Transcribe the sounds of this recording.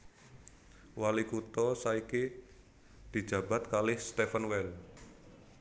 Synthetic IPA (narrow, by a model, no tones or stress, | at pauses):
walikut̪ɔsaiki | d̪̥i̤d̥d͡ʒ̥a̤b̥a̤t̪̚kalɪhst̪ɛfənwɛl